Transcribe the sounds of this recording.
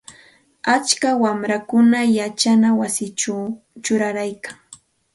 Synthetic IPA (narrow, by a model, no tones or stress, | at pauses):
at͡ʃkawamɾakʊnajat͡ʃanawasɪt͡ʃaw | t͡ʃʊɾaɾajkaŋ